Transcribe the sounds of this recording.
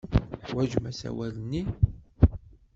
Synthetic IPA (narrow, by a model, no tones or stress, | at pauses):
ħwæʒmæsæ̰wælənːi